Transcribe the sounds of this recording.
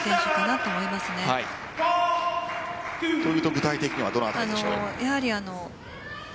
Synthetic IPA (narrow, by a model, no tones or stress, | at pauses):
sẽɕokanat̪ːo̞ːmo̞imasɨne̞hai | sojɯ̟t̪o̞ɡɯ̟t̪ait̪ekʲiɲ̟iβad̪o̞noat̪ano̞ojahaɾʲiano̞